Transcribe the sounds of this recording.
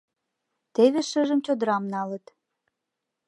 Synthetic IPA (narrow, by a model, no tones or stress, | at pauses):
t̪eβeʃəʒəmt͡ɕod̪əɾɑmnɑlət̪